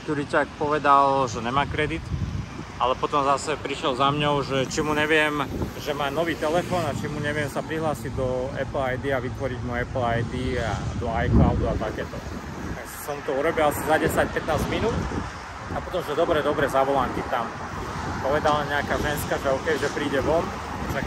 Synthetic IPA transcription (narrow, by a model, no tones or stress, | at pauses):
kt̪ɔɾit͡ʃakpɔʋɛd̪alʒɛɲɛmaːkɾɛd̪it̪ | alɛpɔt̪ɔmzasɛpɾiʃɛlzamɲɔʊʒɛt͡ʃimuɲɛʋɪɛmʒɛmaːnɔʋiːt̪ɛlɛfɔːnat͡ʃimuɲɛʋɪɛmsapɾiɦlaːsiɟd̪ɔɛ̰pl̩ajd̪iaʋit̪ʋɔɾiɟmuɛpl̩ajd̪ia̰d̪ɔajklaʊd̪uat̪akɛːt̪ɔ | t̪aɡssɔmut̪ɔuɾɔbilasizaɟɛsac̚pɛt̪naːzɟminuːt̪ | apɔt̪ɔmʒɛd̪ɔbɾɛd̪ɔbɾɛzaʋɔlankit̪am | pɔʋɛd̪alaɲɛakaːʒɛnskaʒɛɔkɛjʒɛpɾiːɟɛʋɔm | ʒɛ